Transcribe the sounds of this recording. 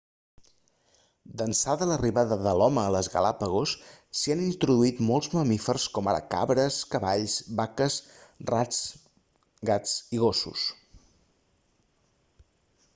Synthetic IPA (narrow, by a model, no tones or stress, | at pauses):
d̪ənsaðələriβaðəðəlɔməːləzɣə̰lapəɣ̞osːianint̪ɾuðuit̪mɔlˠzməmifərskɔmaɾə̰ka̰βɾəskəβaʎsbakəs | rat͡s | ɣat͡siɣosṵs